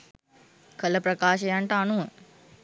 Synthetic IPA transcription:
kʰələpɾɐkaːʃɐjaɳʈəanuʋə

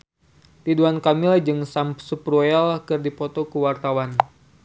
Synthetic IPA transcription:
t̪iduankamilahd͡ʒɨŋsampsuprualkɨrdipɔt̪ɔkuwart̪awan

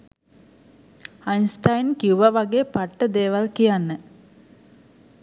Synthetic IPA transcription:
ajnsʈajnkiuʋəʋaɡeːpaʈːəd̪eːʋalkijanːə

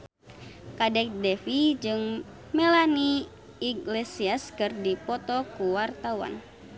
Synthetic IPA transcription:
kadɛk̚dɛfid͡ʒɨŋ | mɛlaniː | ɡlɛsiaskɨrdipɔt̪ɔkuwart̪awa̰n

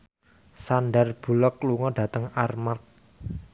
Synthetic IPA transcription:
sanɖarb̥ulɔkluŋɔɖ̥ä̤t̪əŋarmark̚

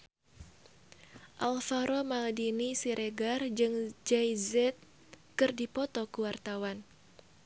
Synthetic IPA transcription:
ʔalfaɾʔɔmaldinisiɾʔeɡard͡ʒɨŋd͡ʒajzɛt̪̚ | kɨrdipɔt̪ɔkuwart̪awan

